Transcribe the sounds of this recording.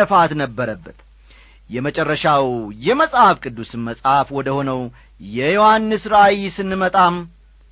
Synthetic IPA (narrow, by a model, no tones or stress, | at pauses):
əfat̪nəbːəɾəbːət̪ | jɛmət͡ʃʼɛrːəʃawjɛməsʼhafkʼɨd̪ːusɨmməsʼhafwɔd̪əho̞nəw | jɛjo̞hanːɨsɾawisɨnːɨmət̪ʼam